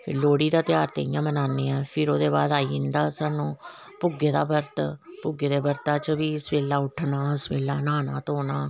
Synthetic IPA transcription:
pʰɪ̰ɾloːɽiːd̪aːt̪jaːɾt̪ḛːɪjãːmənaːnːeːɛːpʰɪɾoːd̪eːbaːd̪aːiːɪnd̪aːsaːnũː | pʊɡeːd̪a̰ːbəɾt̪pʊɡeːd̪eːbəɾt̪aːt͡ʃəʋiːɪsʋeːlːaːʊʈʰnaːəsʋeːlːaːnaːnaːt̪oːnaː

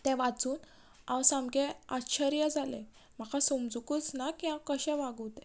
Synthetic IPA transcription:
t̪ɛ̃ʋat͡suːn | awsãmɡeatɕʰəɾijəd͡zʱalḛ̃ | m̤akʰasomd͡zukut͡snakiɦãkəɕɛ̃ʋaɡət̪ɛ̃

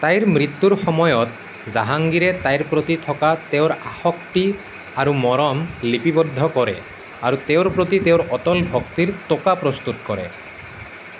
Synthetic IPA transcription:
t̪ajɾmɾit̪ːuɾxɔmɔjɔt̪ | zaɦaŋɡiɾet̪ajɾpɾot̪it̪ʰɔkat̪eʊɾahɔkʈi | aɾumɔɾɔmlipibɔd̪ʱːɔkɔɾḛ | aɾut̪eoɾpɾot̪it̪eʊɾɔt̪ɔlbʱɔkt̪iɾt̪okapɾɔst̪ut̪kɔɾḛ

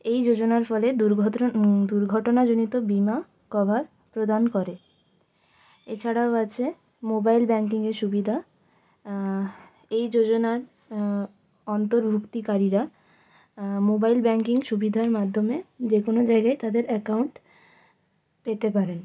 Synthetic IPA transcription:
ejd͡ʑod͡ʑonaɾfɔled̪uɾʱd̪uɾɡʱɔʈonad͡ʑonit̪obima | kɔbʱaɾ | pɾod̪ʱankɔɾe | et͡ɕʰaɽaoat͡ɕʰe | mobajlbɛŋkiŋeɾʃubid̪ʱa | ejd͡ʑod͡ʑonaɾ | ɔnt̪oɾbʱukt̪ikaɾiɾa | mobajlbɛŋkiŋʃubid̪ʱaɾmad̪ʱːomed͡ʑekonod͡ʑaeɡajt̪ad̪eɾɛkawɳʈ | pet̪epaɾen

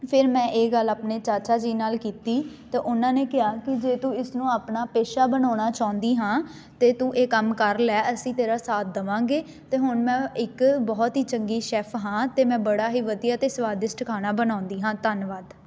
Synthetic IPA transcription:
pʰɪɾmɛ̃ːʔeːɡəlːaːpneːt͡ʃaːt͡ʃaːd͡ʒiːnaːlkiːt̪iːt̪eːʔʊnãːneːkɪaːkɪd͡ʒeːt̪ũːɪsnũːaːpnaːpeːʃaːbənaːɽ̃aːt͡ʃaːʊ̃nd̪iːɦãː | t̪eːt̪ũːʔeːkəmkəɾlɛːʔəsĩːt̪eːɾaːsaːt̪̚ʰd̪əʋãːŋɡeː | t̪eːɦʊnmɛ̃ːɪkbɔːt̪ɦiːt͡ʃəŋɡiːʃɛːpʰɦãːt̪eːmɛ̃ːbəɽaːɦiːʋəd̪ɪjaːt̪eːsʋaːd̪ɪsʈkʰaːñaːbənãːnd̪iːɦãːt̪ənʋaːd̪

